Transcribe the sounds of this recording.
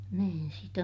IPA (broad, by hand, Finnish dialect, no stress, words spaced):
niːn sit